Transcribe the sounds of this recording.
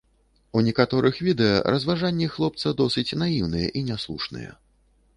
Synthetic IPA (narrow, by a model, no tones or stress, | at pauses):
unʲɛkat̪ɔɾʔɨxvʲid̪ɛjɐ̰ɾɐzvaʐanʲːɛxlˠɔp̚t̪sɐd̪ɔsɨt͡sʲnajiwnɨjɛ̰ʔinʲaslˠuʂnɨ̰jɛ̰